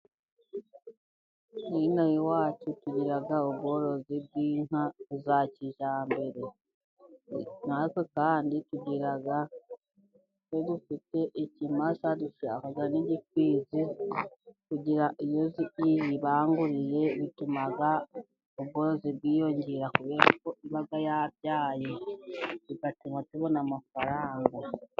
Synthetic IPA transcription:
niinojiwaːt͡ʃutuɟiɾaɡaubɡo̞ɾo̞zib̚ɡiːn̥azaciʒaːmbe̞ɾe̞ | natwe̞kaːndituɟiɾaɡa | nodufite̞ʔicimasaduʃa̰haɡaniɟik̚wiːzi | kuɟiɾaʔijoziijiβaːŋɡuɾiɾe̞βitumaɡa | oβɡoziβwiːjo̞ɲɟeɾakuβeakoiβaɡajaβjaːje | βiɡatiŋatuβo̞namafaɾaːŋɡa

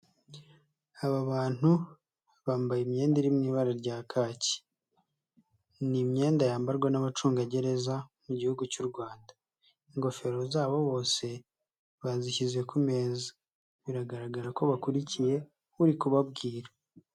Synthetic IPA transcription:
aβaβaːn̥u | βaːmbajimɲe̞ːndiɾimniːβaɾaɾɟaːkʰaːci̥ | nimɲe̞ːndajaːmbaɾɡwanaβat͡ʃuːŋɡaɟe̞ɾe̞zamuɟihuɡucuɾɡwaːnda | iŋɡo̞fe̞ɾo̞zaːβo̞βo̞ːse̞ | βaziçizekume̞ːzi | βiɾaɡaɾaɡaɾako̞βakuɾicije̞ | uɾikuβab̚ɡiːɾa

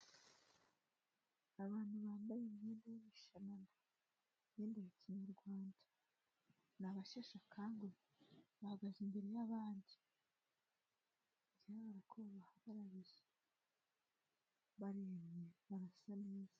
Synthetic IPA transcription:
aβaːnhuβaːmbajemɲeːndejimiʃananda | mjeːndejaciɲuɾɡwaːnda | naβaʃeʃakʰaːŋɡe | βahaɡazimbeɾejaβaːndi | ɟihaɡaɾakʰoβahaβaɾaβiʒe | βaɾiemɲeβaɾasaneːz̥a

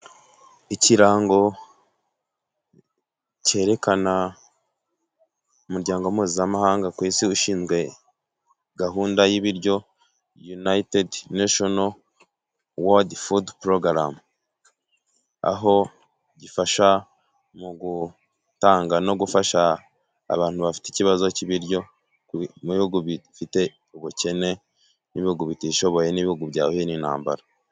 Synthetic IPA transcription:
iciɾaːŋɡo̞ | ce̞ːɾe̞kana | umuɾɟaːŋɡo̞miːzzamahaːŋɡakwiːsiuʃiːnzɡwe̞ | ɡaɦuːndajiβiɾɟo̞ | junaitedneʃono | wodfudpɾoɡɾa̰m | a̰ɦo̞ | ɟifaʃa | muɡu | taːŋɡano̞ɡufaʃa̰ː | βaːntuβafi̥teiciβazo̞ciβiɾɟo̞ | muβihuɡuβifite̞ | uβuce̞ne̞ | niβihuɡuβitiʃo̞βo̞je̞niβihuɡubɟaːoeninha̰ːmba̰ɾa

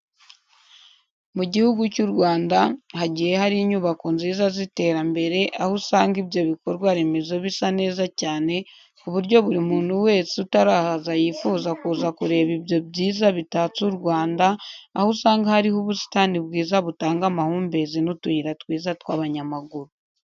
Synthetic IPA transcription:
muɟihuɡucuɾɡwaːndahaɟiːje̞haɾiːɲuːβako̞nziːzazite̞ːɾambe̞ɾe̞ʔahusaːŋɡibjo̞βiko̞ɾɡwaɾe̞me̞zo̞βisane̞ːzacaːne̞ | uβuɾɟo̞βuɾimuːn̥huwe̞ːsiutaɾaːhazajifuːzakuːzakuɾe̞ːβibjo̞bɟiːzaβitat͡suɾɡwaːndaahusaːŋɡahaɾiɦuβusi̥taːnibɡiːzaβutaːŋɡamahuːmbe̞zinutuhiɾatwiːzatwaːβaɲamaɡuɾu

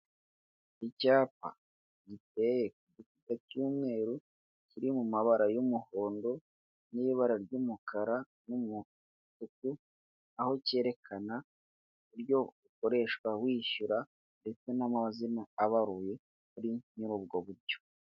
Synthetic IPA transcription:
icaːpa̰ | ɟite̞je̞kuɟikutacuːmŋe̞ːɾu | ciɾimumaβaɾajumuho̞ːndo̞ | niiβaɾaɾɟumukʰaɾa | numu | tuk̚u | aho̞ce̞ːɾe̞kʰana | uɾjo̞uko̞ɾe̞ːʃkwawiːʃuɾa | nde̞t͡se̞namazinaːβaɾuje̞ | kuɾiɲuɾub̚ɡo̞βuɾɟo̞̥

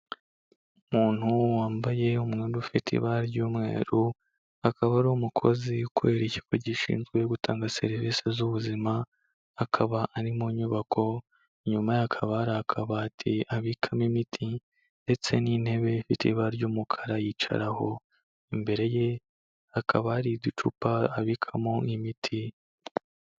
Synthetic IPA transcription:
umuːn̥huwaːmbaje̞umŋeːɾufitʰḭβaɾɟuːmŋe̞̰ːɾu | akʰaβaɾoːmukʰo̞̰zikue̞ːɾici̥koɟiʃḭːnzɡwe̞ɡutʰa̰ːŋɡase̞ɾiviːse̞zuβuzimaː | kʰaβaʔaɾimuɲuβakʰo̞ | ɲumajakʰaβaɾaːkʰaβaːtʰiaβikʰamimitʰi | nde̞t͡se̞nin̥he̞βe̞ifitʰiβaɾɟuːmukʰḁɾajit͡ʃa̰ɾaho̞̰ | imbe̞ɾe̞je̞ | akʰaβaːɾidut͡ʃṵpaaβikʰamoimitʰi

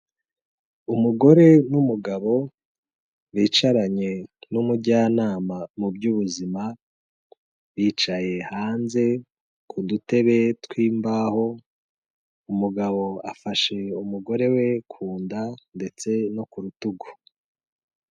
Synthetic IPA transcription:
umuɡo̞ɾe̞numuɡaβo̞ | βiːt͡ʃaɾaɲe̞numuɟaːnaːmamubɟuβuzima | βiːt͡ʃaje̞haːnze̞ | kʰudute̞βe̞twiːmbaho̞ | umuɡaβo̞a̰faʃe̞umuɡo̞ɾe̞we̞kʰuːndande̞t͡se̞no̞kuɾutuɡo

